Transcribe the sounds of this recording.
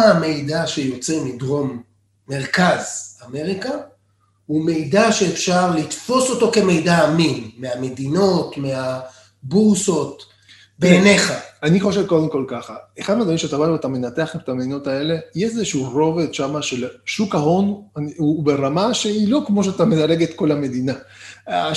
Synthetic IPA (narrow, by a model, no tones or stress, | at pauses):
me̞jdaʃe̞jo̞t͡semidʁo̞mː | e̞ʁkazame̞ʁika | hume̞jdaʃeːfʃaʁlit̪fo̞so̞to̞ke̞me̞jdaːminmeame̞d̪ino̞tmea | buso̞t̪ | beene̞χaaniχo̞ʃe̞vko̞d̪emko̞lkaχaeχad̪mead̪vaʁimʃeat̪avalveatame̞nat̪e̞aχetet̪amed̪ino̞t̪ae̞le̞jeʃzeʃuuʁo̞ve̞d̪ʃamaʃelʃukaɦo̞naubeʁamaʃeilo̞kmo̞ʃ̬at̪amelaʁeɡet̪ko̞lame̞d̪ina